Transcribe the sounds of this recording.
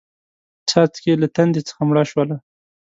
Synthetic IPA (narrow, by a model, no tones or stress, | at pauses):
t͡ʃɑt͡skelat̪and̪et͡sə̥xamɽaʃwala